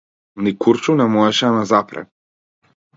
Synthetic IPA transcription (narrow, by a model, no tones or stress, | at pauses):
nikuɾt͡ʃunɛmɔɛʃɛanazapɾɛ̰